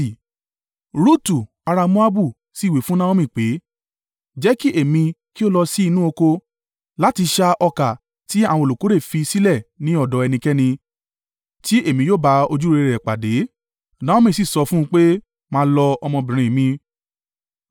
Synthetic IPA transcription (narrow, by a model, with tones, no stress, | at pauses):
ɾu˦tu˨ | a˧ɾa˧mũ˦a˦bu˦˨ | si˦˨we˨fũ˦nã˦wo˦mĩ˦˨k͡pe˨˦ | d͡ʒɛ˦ki˦ʔe˦˨mĩ˧ki˦o˦lɔ˧si˦i˦˧nũ˦o˧ko˧ | la˨˦ti˧ʃa˧ʔɔ˧ka˨ | ti˦a˦˨w̃ɔ̃˧˨lo˨ko˨˦ɾe˦˨fi˧si˦lɛ˦˨nĩ˨˦ɔ˦˨dɔ˨˦ɛ˧nĩ˧kɛ˦nĩ˧ | ti˦ʔe˦˨mĩ˧joː˦˨ba˨˦o˧d͡ʒu˦ɾe˧ɾɛ˨k͡pa˨de˨˦ | nã˦õ˦mĩ˦˨si˦˨sɔ˨˧fũ˦˧k͡pe˦ | mãː˦lɔ˧ɔ˧mɔ̃˧bĩ˨ɾ̃ĩ˧˨mĩ˧